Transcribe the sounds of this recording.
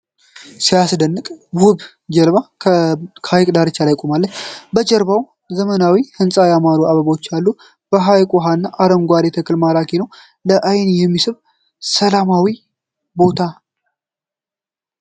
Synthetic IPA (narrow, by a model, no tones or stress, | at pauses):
sijasd̪ənːɨkʼbuβ | d͡ʒɛlβa | kʰhajkʼd̪aɾɨt͡ʃːalajkʼomalːət͡ʃːbət͡ʃʼɛɾβaw | zəmənawihɨnsʼajamaɾuaβəβot͡ʃːalːu | b̥əɦajkʼuɦanːaʔaɾəmɡʷaɾet̪ʰəkʰɨlmaɾakʰenəw | ləʔajnjɛmːisɨβ | səlamawi | bo̞t̪ʰa